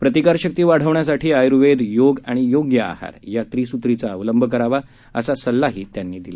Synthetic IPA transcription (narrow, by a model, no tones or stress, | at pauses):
pɾət̪ikaɾɕək̚t̪iːʋaɽ̤əʋɳjasaʈʰiːajɾuʋed̪joɡaɽ̃ijoɡjəa̰ha̰ɾjat̪ɾiːsut̪ɾit͡saəʋləmbʱək̬əɾaʋa | əsasəlːaɦiːt̪janːiːd̪ila